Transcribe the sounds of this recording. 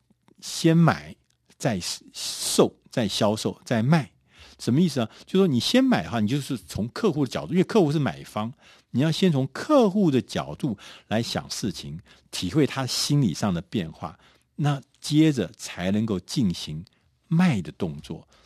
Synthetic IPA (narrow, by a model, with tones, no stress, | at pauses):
ɕjɛ˥nma̰˨˩˦ɪ | t͡sa˥˧ɪʂo˥˩ʊt͡sa˥˩ɪɕjɑ˥ʊʂo˥˩ʊt͡sa˥˩ɪma˥˩ɪ | ʂə˧˥nmə˦i˥˩sɹ̩˩ə˩t͡ɕjo˥˩ʊʂʂwɔ˥ni˨˩ɕjɛ˥nma˨˩ɪd̪ə˦wa˥˩ni˨t͡ɕjo˥˧ʊʂ̩˥˩t͡sʰʊ˧˥ŋkʰɤ˥˧xu˥˩ə˩t͡ɕɑ˨˩˦u˥wkʰɤ˥˧xu˥˧ʂɻ̩˥˩ma̰˨˩ɪfɑ˥ŋ | ni˨˩jɑ˥˩ʊɕjɛ˥nt͡sʰʊ˧˥ŋkʰɤ˥˧xu˥˩d̪ə˩t͡ɕjɑ˨˩ʊt̪u˥˩la˧˥ɪɕjɑ̰˨˩ŋʂɻ̩˥˩t͡ɕʰi˧˥ŋ | t̪ʰi˨˩xwe˥˩ɪt̪ʰa˥əɕi˥nlḭ˨˩ʂɑ˥˩ŋd̪ə˩pjɛ˥˧nxwa̰˥˩ | na˥˩ | t͡ɕjɛ˥ʈ͡ʂə˨˩t͡sʰa˧˥ɪnə˧˥ŋko˥˧ʊt͡ɕi˥˩nɕi˧˥ŋ | ma˥˩ɪd̪ə˩t̪ʊ˥˧ŋt͡swɔ̰˥˩